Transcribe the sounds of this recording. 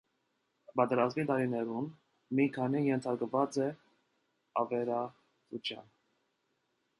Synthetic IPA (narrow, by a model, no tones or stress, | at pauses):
bɑt̪ɛɾɑzmit̪ɑɾinɛɾun | mikʰɑnijɛnt̪ʰɑɾkvɑt͡sɛ | ɑvɛɾɑ | t͡sut͡ʃʰjɑ̰n